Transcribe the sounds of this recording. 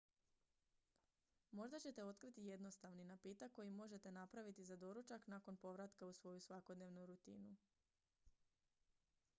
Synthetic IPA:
mo̞ʒd̪at͡ɕe̞t̪e̞o̞t̪kɾit̪ije̞d̪no̞st̪aʋninapiːt̪akkːo̞jimo̞ʒe̞t̪e̞napɾaʋit̪izad̪o̞ɾut͡ʃaknako̞npo̞ʋɾat̪kausʋo̞jusʋako̞d̪ne̞ʋnuɾut̪ḭːnu

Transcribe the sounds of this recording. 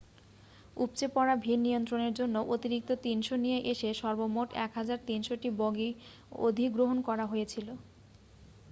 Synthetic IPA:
up̚t͡ɕepɔɾabʱinːijont̪ɾoneɾd͡ʑonːoʔot̪iɾik̚t̪ot̪inʃonijeʔeʃeʃɔɾbomoʈɛ̰kɦad͡ʑaɾt̪inʃoʈiboɡi | o̰d̪ʱiɡɾoɦonkɔɾaɦojet͡ɕʰilo

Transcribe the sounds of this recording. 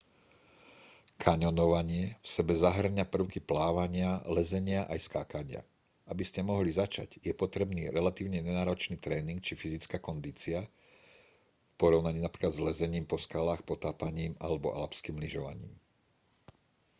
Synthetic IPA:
kʰaɲɔnɔʋaɲɪɛfsɛbɛzaɦr̩ɲapr̩ʊkiplaːʋaɲɪalɛzɛɲɪaʔa̰jskaːkaɲɪa̰ | ʔabiscɛmɔɦlizat͡ʃa̰ɟjɛpɔt̪ɾɛbniːɾɛlat̪iːʊɲɛɲɛnaːɾɔt͡ʃniːt̪ɾɛːniŋkt͡ʃifizit͡skaːkɔnd̪iːt͡sia | fpɔɾɔʊnaɲiːnapɾi̥klad̪zlɛzɛɲiːmpɔskalaːxpɔt̪aːpaɲiːma̰lɛbɔ̰ʔa̰lapskiːmliʒɔʋa̰ɲḭːm

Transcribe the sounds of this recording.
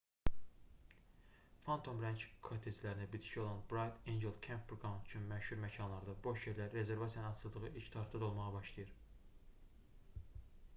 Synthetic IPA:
fɑnt̪ʰo̞mɾænt͡ʃkʰot̪ʰezlæɾinæbid̪ʰi̥ʃio̞lˠɑnbɾajt̪ʰend͡ʒe̞lˠkʰæmpːɾɡɑwnt̪yt͡ʃʰynmæʃhuɾmæcʰɑnlˠɑɾd̪ɑboʃjeɾlæɾːe̞ze̞ɾvɑsijɑnɯnɑt͡ʃʰɯlˠd̪ɯʁɯilt͡ʃt̪ʰɑɾt̪t̪ɑd̪olˠmɑʁɑbɑʃlˠɑjɯɾ

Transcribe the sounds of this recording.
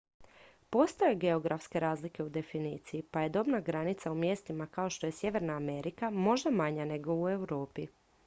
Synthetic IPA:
po̞st̪ajeɡe̞o̞ɡɾafske̞ɾaːzlike̞ud̪e̞finiːt̪sijipaje̞d̪o̞bnaɡɾanit̪saumje̞ːst̪imakao̞ʃt̪o̞jesje̞ʋe̞ɾnaːme̞ɾikamo̞ʒd̪amaɲane̞ɡo̞ue̞wɾo̞ːpi

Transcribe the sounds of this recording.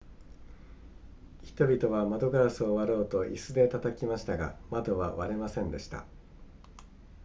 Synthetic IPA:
çi̥t̪o̞bʲit̪o̞βamad̪o̞ɡaːsɨoβaɾo̞ːt̪o̞ʔisɨd̪e̞t̪at̪akʲimaɕi̥t̪aɡa̰mad̪o̞βaβaɾe̞masẽ̞nd̪e̞ɕi̥t̪a̰

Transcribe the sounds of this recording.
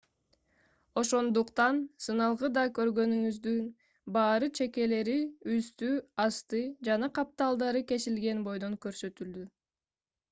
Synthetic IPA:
o̞ʃo̞nd̪uqt̪ɑnsɯnɑlˠʁɯd̪ɑkø̞ɾɡø̞nyŋyzd̪yn | bɑːɾɯt͡ʃʰe̞ke̞le̞ɾiyst̪yɑst̪ɯd͡ʒɑnɑqʰɑp̚t̪ɑlˠd̪ɑɾɯke̞silɡe̞nbo̞jd̪o̞ŋkø̞ɾsø̞t̪yld̪y

